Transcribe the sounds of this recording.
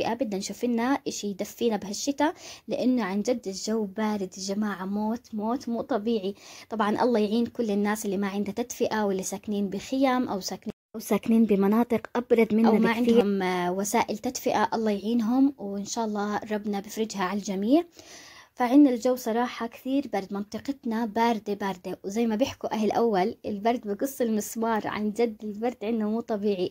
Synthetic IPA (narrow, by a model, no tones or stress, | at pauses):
ɪʔabɪd̪nanʃuːfɪnːaʔɪʃijd̪afːiːnabɪhaʃːɪt̪alɪʔɪnːʊʕand͡ʒad̪ːɪld͡ʒawːbaːɾɪd̪d͡ʒamaːʕmoːt̪moːt̪muːt̪ˤɑbiːʕit̪ˤɑbʕɑnʔɑ̰lˤːɑːjʕiːnkʊlːɪnːaːsɪlːimaʕɪnd̪at̪ad̪fɪʔawɪlːisaːkniːnbɪxɪjamʔawsaːkniːʔawsaːkniːnbɪmɑnɑːt̪ˤɨqʔɑbɾˤɑd̪ˤmɪnaaʕɪnhʊmwasaːʔɪlt̪ad̪fɪʔaʔɑlˤːɑːjʕiːnɦʊmwɪnʃaːʔɑlˤːɑːɾˤɑbnabɪfɾˤɪd͡ʒɦaʕald͡ʒamiːʕfaʕɪnːald͡ʒawːsˤɑɾˤɑːħɑkθiːɾbɑɾˤd̪mɑnt̪ˤɨqɪt̪nabɑːɾˤd̪ebaːɾˤd̪ewzajːmabɪħkuʔaɦɪlʔawːalʔɪlbɑɾˤd̪̚biɡɨsˤːɪlmɪswɑːɾˤʕa̰nd͡ʒad̪ːɪlbɑɾˤd̪ʕɪnd̪hʊmuːt̪ˤɑbiːʕi